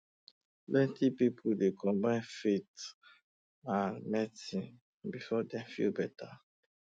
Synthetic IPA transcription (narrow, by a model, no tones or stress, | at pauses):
bɛ̃tipipʰudekʰɔ̃mbãnfet | amɛtĩn | bifɔdɛ̃fḭlbɛtʰa